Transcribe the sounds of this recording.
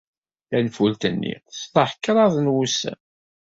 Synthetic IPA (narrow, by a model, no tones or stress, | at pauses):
lænfult̪ənːḭθt̪ːəħəkːɾˤɑðˤnwusæ̰